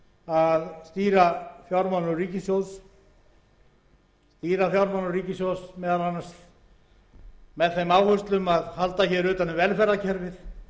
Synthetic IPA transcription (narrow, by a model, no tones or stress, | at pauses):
aðst̪iːɾafjawɾmanʏriːcɪsjows | st̪iːɾafjawɾmanʏriːcɪsjowsmɛːðalanast̪ | mɛðθejmaːwhʏst̪lʏmaðhalt̪açɛɾʏːt̪anɪvɛlfɛɾacʰɛɾvɪθ